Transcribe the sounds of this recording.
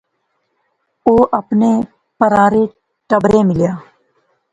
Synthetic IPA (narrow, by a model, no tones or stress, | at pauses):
oːʔəpneː | pəɾaːɾeː | ʈəbɾẽːmɪljaː